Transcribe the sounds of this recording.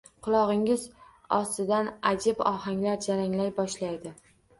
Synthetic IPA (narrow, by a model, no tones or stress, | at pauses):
qʰʊlˠɒʁɪŋɪz | ɒst̪ɪd̪anad͡ʒɪbɒhaŋlaɾd͡ʒaɾaŋlajbɒʃlajd̪ɪ